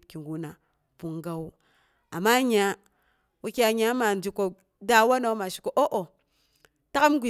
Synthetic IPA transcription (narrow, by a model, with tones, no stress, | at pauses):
ki˨ŋɡu˨na˨ | pu˨ŋɡa˦w | a˨mːa˦ɲa˨ | wu˦ki˦a˨ɲa˨˦ma˨n˨d͡ʒi˨ko˨ | da˦wa˦no˨˦ma˨ʃi̥˨ko˨ʔo˦ʔo˨ | ta˦ka˦mɡʷi˨